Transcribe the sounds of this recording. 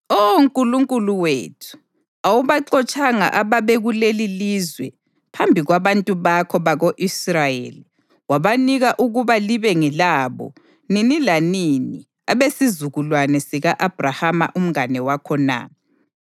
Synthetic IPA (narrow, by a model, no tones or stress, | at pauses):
oŋkʼuluŋkʼuluwḛːtʰu̥ | awuβaǃɔt͡ʃʼaŋa̰ʔaβaβeɣulelilizwɛ̰ | pʰambʱiɣwaβantʼuβakʰɔβaɣoʔisrajḛːli | waβaniɣaʔuɣuβaliβɛŋɛlaːβɔ̰ | ninilanini | aβesizuɣulwanɛsiɣaʔab̥ʱrahama̰ʔum̩ŋanɛwakʰɔna̰